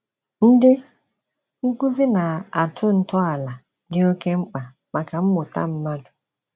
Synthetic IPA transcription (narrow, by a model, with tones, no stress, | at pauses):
n̩˦dɪ˦ | ŋ̩˦ku˦zi˦na˨a˨tʰʊ˦n̩˦tɔ˦a˨la˨ | dɪ˦o˦ke˦ŋ͡m̩˦k͡pa˨ | ma˨ka˨m̩˦mʊ˨ta̰˦m̩˦ma˦dʊ˨